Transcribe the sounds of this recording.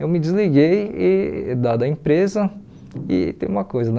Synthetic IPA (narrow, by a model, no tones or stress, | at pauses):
ewmɪd͡ʒizliɡejɪd̪ad̪ɐẽpɾezɐ | ɪ̰t̪ḛ̃j̃ũmɐkojzɐn